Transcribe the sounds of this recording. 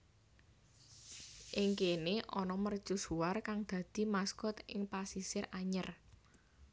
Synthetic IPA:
ʔɪŋkeneʔɔnɔmərd̥ʒ̥ṳsuarkaŋd̪̥ä̤d̪̥i̤maskʊt̪ɪŋpasisɪraɲər

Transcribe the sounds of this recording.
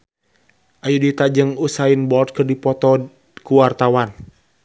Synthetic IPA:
ʔajudit̪ad͡ʒɨŋusainbɔlt̪̚kɨrdipɔt̪ɔ | kuwart̪awan

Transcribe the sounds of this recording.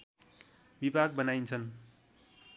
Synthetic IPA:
bibaɡ̚bʌnajnt͡sʰʌn

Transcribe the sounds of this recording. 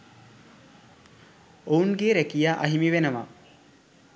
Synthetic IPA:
ounɡeɾekijaʔaɦimiʋenəʋa̰

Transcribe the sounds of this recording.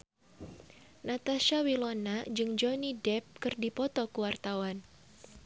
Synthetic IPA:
nat̪aʃawilɔnad͡ʒɨŋd͡ʒɔnidɛp̚kɨrdipɔt̪ɔkuwart̪awan

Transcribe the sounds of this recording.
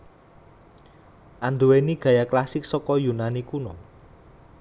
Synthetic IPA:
ʔand̪uweniɡ̥ä̤jaklasɪk̚sɔkɔjunanikunɔ

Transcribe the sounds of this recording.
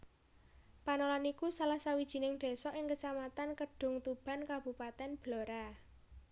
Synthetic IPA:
panolanikusalahsawid̥ʒ̥i̤nɪŋd̪̥e̤sɔʔɪŋkət͡ʃamat̪ankəɖ̥ʊ̤ŋt̪ub̥a̤nkab̥ṳpat̪ɛnb̥lo̤ɾa

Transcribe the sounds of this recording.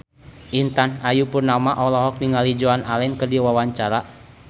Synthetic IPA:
ʔint̪anajupurnamaʔɔlɔɦɔk̚niŋalid͡ʒɔanalɛnkədiwawaɲt͡ʃaɾa

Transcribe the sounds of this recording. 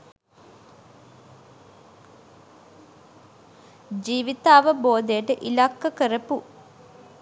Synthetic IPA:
d͡ʒiːʋit̪aːʋəboːd̪ejəʈəʔilakːɐkəɾɐpu

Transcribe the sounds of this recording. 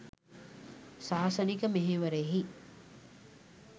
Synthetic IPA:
saːsənikəmeɦeːʋəɾeːɦi

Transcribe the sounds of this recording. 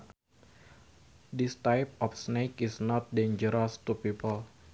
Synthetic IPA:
d̪ist̪ajp̚ɔfsnekisnɔt̪̚dẽnd͡ʒəɾɔst̪upipəl

